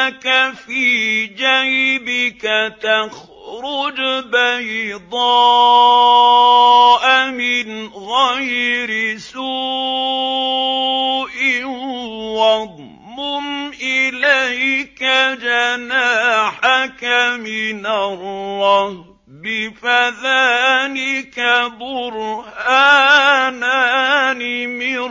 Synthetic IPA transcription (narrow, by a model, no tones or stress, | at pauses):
kafiːd͡ʒajbɪkat̪ax | ɾʊd͡ʒbajd̪ˤɑː | ʔamɪnɣajɾɪsuː | ʔɪ | wɑd̪̚ˤ | mʊmʔɪlajkad͡ʒanaːħakamɪnalˤːɑh | bɪfaðaːlɪkabʊɾhaːnanɪmɪ